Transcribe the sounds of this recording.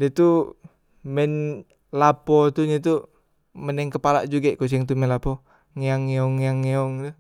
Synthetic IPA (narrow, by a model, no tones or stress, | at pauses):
dɛt̪u | mɛn | lapɔt̪uɲat̪u | mənɛŋkəpala̰ʔd͡ʒuɡakus̬ɛŋt̪umɛnlapɔ | ŋiaŋeɔŋjaŋeɔŋt̪u